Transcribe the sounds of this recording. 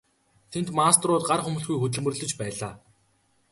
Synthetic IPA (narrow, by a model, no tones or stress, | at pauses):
t̪ʰent̪mast̪rʊːt̪ɢarχɵmɵ̆ɮɣujxɵt̪̬ɘ̆ɮmɘ̆rɮɵ̆t͡ɕpæːɮaː